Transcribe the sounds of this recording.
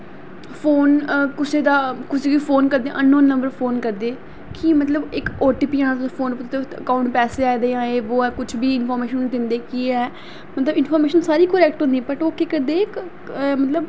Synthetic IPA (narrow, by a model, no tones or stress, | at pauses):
fʰoːnkʊseːd̪aːkʊseːkipʰoːnkəɾd̪ḛ̃ːʔənːõːnːəmbəɾfʰoːnkəɾd̪eː | kimət̪ləbɪkoːʈiːpiːaːnãt̪sfʰoːnpʊt̪eəkaːʊɳʈ̚pɛːseːaːid̪eːãːeːʋoːɛːkʊt͡ʃʰbiːɪnfʰɔːɾmeːʃənːd̪ɪnd̪eːkiɛː | mət̪ləbɪnfʰɔːɾmeːʃənsaːɾiːkəɾɛːk̚ʈɦõnd̪iɛbəʈoːkeːkəɾd̪eːɪk | mət̪ləb